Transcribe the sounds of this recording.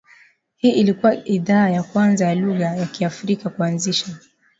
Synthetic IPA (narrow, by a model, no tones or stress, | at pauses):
hiːʔilikuwaiðaːjakwanzajaluɣajakiafɾikakuanziʃa